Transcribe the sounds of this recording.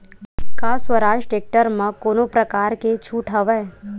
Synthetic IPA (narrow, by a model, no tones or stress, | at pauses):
kaːswəɾaːʃʈeːk̚ʈəɾmãkoːnopɾəkaːɾket͡ʃʰuːʈʰɦəʋɛː